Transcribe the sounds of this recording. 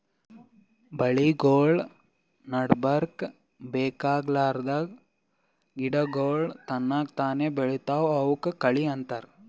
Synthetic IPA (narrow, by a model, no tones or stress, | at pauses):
bɐɭiɡoːɭ | nɐɖbɐɾk | beːkaːɡlaːɾd̪ɐ | ɡiɽɐɡoːɭt̪ɐnːaːkt̪aːneːbeɭut̪aːʋɐwkkɐɭiɐnt̪ɐɾ